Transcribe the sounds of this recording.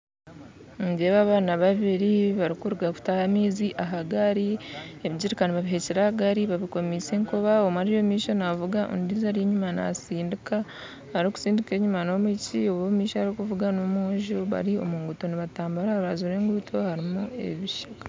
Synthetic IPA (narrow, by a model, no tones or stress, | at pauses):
ɲɟeβaβaːnaβaβiɾiβaɾikuɾuɡaku̥tahamiːziʔaɦaɡaɾieβiɟiɾikaniβaβiɦeciɾahaɡaɾiβaβiko̞miseːŋkuβaomaɾijo̞miːʃonavuɡaʔo̰ndizaɾjeɲumana̰siːndika | haɾiku̥siːndike̞ːɲumano̞micioβomiːʃahaɾikuvuɡanomoʒoβa̰ɾio̞̰muŋɡuto̞niβataːmbaɾaβazuɾe̞ːŋɡutʰo̞haɾimue̞̰βiʃakḁ